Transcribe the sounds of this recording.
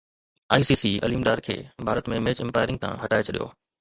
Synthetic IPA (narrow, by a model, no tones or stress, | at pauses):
a̰ːisiːsiɐ̰liːmɗaːɾkʰḛːbʱaːɾət̪mẽmeːt͡ɕɪ̃mpaːɪɾɪ̃ŋɡ̚t̪ʰã̰ɦɐʈaːet͡ɕʰɐɗijo̰ː